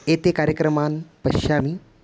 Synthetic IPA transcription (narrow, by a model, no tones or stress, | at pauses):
et̪ekaɾjəkɾəmanpəɕami